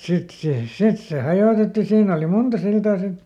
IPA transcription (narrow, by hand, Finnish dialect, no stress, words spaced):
sit seˑ sit se hɑjoˑtetːi siːn oli muntɑ siltɑː sit